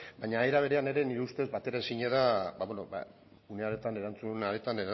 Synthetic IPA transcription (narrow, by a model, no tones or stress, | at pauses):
bajɲaeɾaβ̞e̞ɾe̞ane̞ɾe̞niɾeust̪e̞zbat̪e̞ɾaesiɲe̞ðabaβwenoba̰ | uneaɾe̞t̪ane̞ɾant͡sunaɾe̞t̪aneɾa